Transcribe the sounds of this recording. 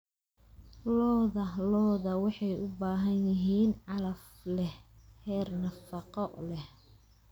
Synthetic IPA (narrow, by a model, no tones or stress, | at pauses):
lɔːðɐlɔːðɐwɑħɑjʊbaːɦɐnjɪɦiːnʕɑlɐf | lɛhhɛːrnɐfɑqɔʔlɛh